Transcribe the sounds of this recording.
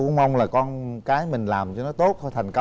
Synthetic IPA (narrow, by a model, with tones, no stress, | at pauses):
ṵ˧˦ma˧wŋ͡mlaː˨˩kɔ˧nkaː˨˦jmï˨˩ŋ̟laː˨˩mt͡ɕɔ˧nɔ˨˦t̪o˦˥t̚t̪ʰɛ˨˩ŋ̟kə˧